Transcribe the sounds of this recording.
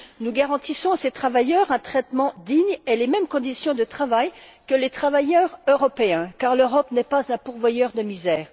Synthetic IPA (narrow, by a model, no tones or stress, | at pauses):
nuɡaʁɑ̃t̪isɔ̃aset̪χavajœʁɛ̃t̪χɛt̪mɑ̃d̪iɲelemɛmkɔ̃d̪isjɔ̃d̪ət̪χavajkəlet̪χavajœʁøʁɔpeɛ̃kaʁløʁɔpnɛpazɛ̃puʁvwajœʁd̪əmizɛːʁ